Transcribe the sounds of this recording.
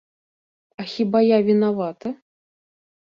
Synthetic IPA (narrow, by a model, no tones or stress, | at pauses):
ɐxʲibajavʲinavat̪ɐ